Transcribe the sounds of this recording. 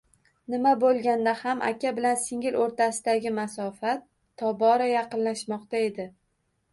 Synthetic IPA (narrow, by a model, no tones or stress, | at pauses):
nɪmabolˠɡʲand̪ahamʔa̰kʲʰabɪlansɪŋʲɪloɾt̪asɪd̪aɡʲɪmasɒfat̪ʰː | ɒbɒɾajɑqɨnlaʃmɒqt̪ae̞d̪ɪ